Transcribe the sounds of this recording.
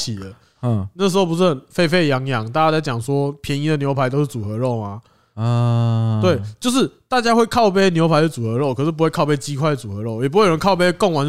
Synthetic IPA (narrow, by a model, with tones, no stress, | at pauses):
i˨˩ə˦˧ | nə˥˩əʂ̬̩˧xo˥˩p̬u˧s̩˥˨nfe˥˧ɪfe˥˨ɪjɑ˧˦ŋjɑ˧˦ŋt̪a˥˩t͡ɕja˦˥t͡sa˥˩ɪt͡ɕjɑ˨˩ŋswɔ˦˥pʰjɛ˧˦ni˧˥d̪ə˨njo˧˥ʊpʰa˧˦ɪt̪̬o˥ʊʂɻ̩˥˩t͡su˨˩xɤ˧˦ɻɔ˥˩ʊma˩˧ | t̪we˥˩ɪt͡ɕjo˥˧ʊʂ̬ɻ̩˥˩t̪a˥˨˩t͡ɕja˥xwe˥˧ɪkʰɑ˥˧ʊpe˥njo˧˥pʰa˧˥d̪ə˨˧t͡su˨xɤ˧˥ɻɔ˥˩ʊkʰʂɻ̩˥˩pu˧˥we˥˧kʰɑ˥˧ʊpe˥ɪt͡ɕi˦˥kʰwa˥˩ɪdə˨˩t͡su˨˩xɤ˧˦ɻɔ˥˩ʊjɛ˨˩p̬u˥we˥˩jo˨˩ə˧˦nkʰa˥˧ʊpe˥kŋwa˧˦n